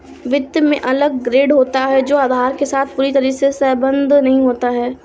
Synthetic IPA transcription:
ʋɪd̪jmẽʔɐləɡ̚ːɾeːɖɦoːt̪aɦɛd͡ʒoːaːd̪ʱaːɾkesaːt̪̚ʰpuːɾit̪ɐɾiːsesəːbə̃nd̪ʱnɐɦĩɦoːt̪aɦɛː

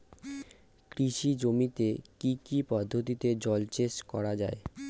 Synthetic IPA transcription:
kɾiʃid͡ʑomit̪ekikipɔd̪ʱːot̪it̪ed͡ʑɔlt͡ɕeʃkɔɾad͡ʑa̰e

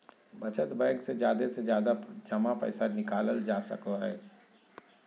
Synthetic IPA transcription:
bɐt͡ʃət̪bɛ̃ːŋksed͡ʒjaːd̪esed͡ʒjaːd̪ad͡ʒɐmapə̰ːsanɪkaːləld͡ʒaːsə̰kaɦɛː

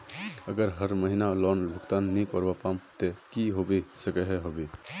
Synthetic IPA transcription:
əɡəɾɦəɾməɦinalɔːnbʱəɡt̪aːnːĩkɔːɾbapamt̪ekiɦobesəkəɦeɦobe

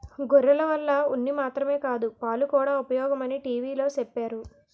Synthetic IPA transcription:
ɡɔɾːɐlɐʋɐlːɐunːimaːt̪ɾɐme̞ːkaːd̪upaːlukuːɽaːupɐjɔːɡɐmɐniʈiːʋiːlo̞ːt͡ʃepːaːɾu

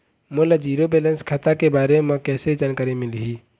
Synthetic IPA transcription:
molad͡ʒiːɾobeːlənskʰat̪akebaːɾememə̃kɛːsɾid͡ʒaːnkaːɾimɪlɦiː

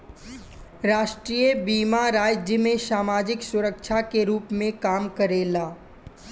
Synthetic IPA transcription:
ɾaːʃʈɾiːjəbiːmaɾaːd͡ʒjəmẽsaːmaːd͡ʒɪksʊɾəkʃʰakeɾuːpmẽkaːmkəɾeːlaː

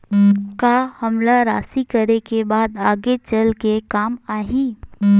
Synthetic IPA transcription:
kaːhɐmlaɾaːsikəɾekebaːd̪aːɡet͡ʃəlkekaːmaːɦĩː

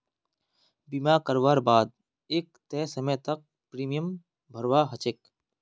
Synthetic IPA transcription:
bimaːkəɾʋaːɾbaːd̪̚ | eːk̚t̪ɛːsəmət̪ɐk̚ | pɾiːmijəm | bʱəɾʋaːɦət͡ʃek

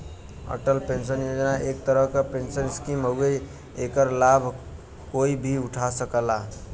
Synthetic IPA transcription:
ə̰ʈəlpensənjod͡ʒnaʔek̚t̪əɾəɦkepensənskimɦoɡe | ekəɾlabʱ | koibʱiuʈʰasəkəla

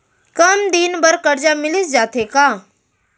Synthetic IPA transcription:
kəmd̪inbəɾkəɾd͡ʒamɪlɪsd͡ʒaːt̪ekaː

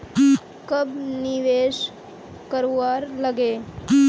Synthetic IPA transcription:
kəbniʋeːʃ | kəɾuʋaːɾləɡeː

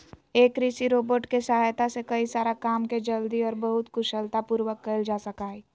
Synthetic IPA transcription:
eːkɾisiɾoːboːʈkesɐɦaːjt̪asekɐisaːɾakaːmked͡ʒɐld̪iɔːɾbɐɦʊt̪kʊʃəlt̪apuːɾwəkːəɪld͡ʒaːsɐkaːiː

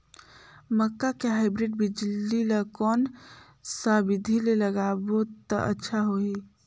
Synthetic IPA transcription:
məkːakeɦaːɪbɾɪɖ̚bʱid͡ʒlːilakɔːn | saːbɪd̪ʱileləɡabot̪a̰ʔə̰tːʃʰaɦoi

